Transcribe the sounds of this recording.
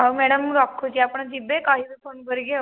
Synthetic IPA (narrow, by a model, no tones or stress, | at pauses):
ɦawmɛɽəmɾɔkʰːod͡ʑiːapəɳd͡ʑibekaɦiːbefʰonkəɾiɡʱe